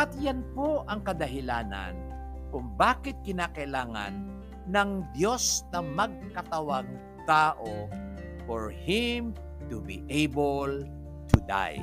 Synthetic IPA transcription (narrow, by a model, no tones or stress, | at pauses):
ʔɐt̪janpoʔɐŋkɐd̪ɐɦɪlaːna̰n | kʊŋbaːkɪt̪̚kɪnaːkɐʔɪlaːŋa̰nː | ɐŋd̪jo̞snɐmɐɡ̚kɐt̪ɐwaɡ̚ | t̪aːʔo | foɹhɪm | t̪ʊbḭʔejbol | t̪ʰʊd̪a̰j